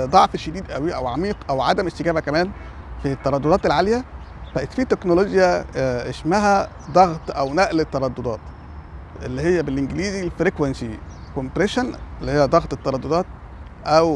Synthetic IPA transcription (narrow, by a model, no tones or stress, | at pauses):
d̪ˤɑʕfʃæd̪iːd̪ʔæwiʔæwʕamiːqʔæwʕad̪æmest̪eɡæːbækæmæːn | fit̪ːɑɾˤɑd̪ːod̪ɑːt̪elʕalejæ | b̥æʔet̪fiːt̪eknoloɡjæʔeʃmæɦæ | d̪ˤɑɣt̪ˤʔæwnæʔlet̪ːɑɾˤɑd̪ːod̪ˤɑːt̪ | ʔelːihejːæbelʔɪnɡeliːzilfɾikwænsi | kompɾeʃænelːihejːæd̪ˤɑɣt̪ˤet̪ːɑɾˤɑd̪ːod̪ˤɑːt̪̚ | ʔæw